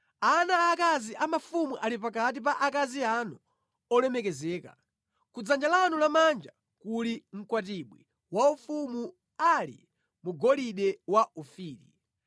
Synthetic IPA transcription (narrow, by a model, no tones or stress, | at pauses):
anaːkaziʔamafumuʔalipakat̬ip̬aʔakazianu | ɔlɛmɛkɛzɛːka̰ | kud͡zand͡ʒalanulamand͡ʒa | kuliŋ̩kwat̬iɓwi | waufumu | alḭ | muɡɔliɗɛwaufiːɾḭ